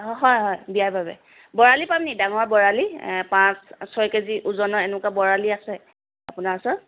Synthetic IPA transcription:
ɦɔjɦɔjbijajbʱabɛ̰ | bɔɹalipamnidaŋɔɹbɔɹalipãssɔjkeziʔuzɔnɔɛnʊkabɔɹaliasɛ | apunaɹsɔ

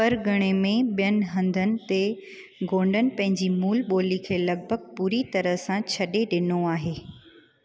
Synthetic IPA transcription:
pɐɾɡʱɐɽ̃emẽɓijən̆ɦɐ̃nd̪ʱənɪ̆t̪e | ɡõːɳɖənɪ̆pɐ̃ɦɪ̃ɲd͡ʑiːmuːlɓoːlikʰeːlɐɡ̚bʱəɡ̚puːɾit̪ɐɾəɦsãt͡ɕʰɐɗeɗɪnoaːɦeː

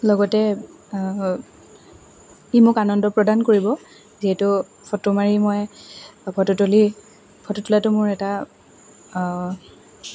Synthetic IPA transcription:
lɔɡɔtɛ | imʊkanɔndɔpɹɔdankoɹibɔ | ziɦɛtʊ | pʰɔtomaɹimɔjbʰɔtɔtoli | pʰɔtɔtulatʊmʊɹɛta

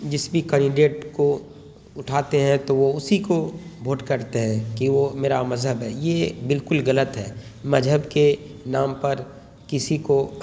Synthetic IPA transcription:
d͡ʒɪsbikɛ̃ːɳɖɪɖeːʈko | ʊʈʰaːt̪eɦɛ̃t̪oʋoʊsikobʱoːʈkɐɾt̪eɦɛ̃kiʋomeːɾamɐzɦəbɦɛːjebɪlkʊlɣɐlət̪ɦɛː | mɐd͡ʒɦəbke | naːmpɐɾ | kɪsiko

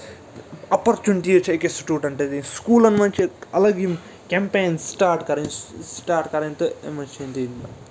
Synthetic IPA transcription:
ɐpɐɾt͡ʃuniʈiet͡ʃekesuʈuːʈɐɳʈed̪iskuːlɐnmɐt͡ʃiɐlɐɡim | kʲempeːnsʈaːɾʈkɐɾɐnsʈaːɾʈkɐɾɐnt̪ɨemɐt͡ʃent̪inɐ

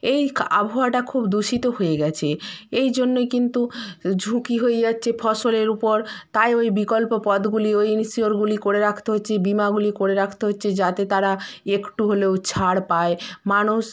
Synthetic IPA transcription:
eja̰bʱoaʈakʰubd̪uʃit̪oɦojeɡɛt͡ɕʰeejd͡ʑonːojkint̪ud͡ʑʱukiɦoed͡ʑatːɕʰefʰɔʃoleɾupoɾt̪ajojbikolpopɔd̪ɡuliojnsioɾɡulikoɾeɾakʰt̪eɦotːɕʰebimaɡulikoɾeɾakʰt̪eɦotːɕʰed͡ʑat̪et̪aɾaekʈuɦolewt͡ɕʰaɽpaemanuʃ

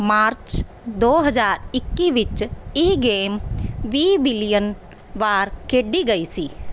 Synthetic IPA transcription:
maːɾt͡ʃ | d̪oːɦəzaːɾɪkːiʋɪt͡ʃiːɡeːmʋiːbɪlijən | ʋaːɾkeːɖiɡəisiː

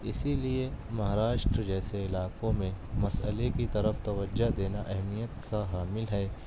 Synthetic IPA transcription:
ɪsiliemɐɦaːɾaːʃʈɾəd͡ʒɛːseɪlaːkõmẽmɐsə̰lekit̪ɐɾəft̪ɐʋəd͡ʒːad̪eːnaʔɛɦmijət̪kaɦaːmɪlɦɛː

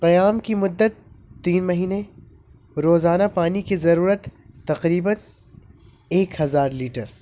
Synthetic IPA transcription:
qɐjaːmkimʊd̪ːət̪ːiːnmɐɦiːne | ɾoːzaːnapaːnikizɐɾuːɾət̪ːɐqɾiːbən | eːkhɐzaːɾliːʈəɾ

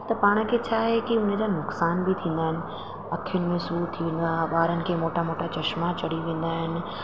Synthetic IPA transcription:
t̪ɐpaːɽ̃ə̆kʰeːt͡ɕʰaːɦekiʊn̤ə̆d͡ʑaːnʊksaːnbɪt̪ʰĩːnd̪aːɦɪnɪ̆ | ɐkʰijʊnɪ̆mẽsut̪ʰiʋẽːnd̪aɓaːɾənɪ̆kʰeːmoːʈamoːʈat͡ɕɐʃmat͡ɕɐɽiʋẽːn̆d̪aːɦɪnɪ̆

